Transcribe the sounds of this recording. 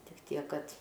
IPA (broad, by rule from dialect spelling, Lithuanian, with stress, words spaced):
tʲɪk ˈtʲiɛk ˈkɐt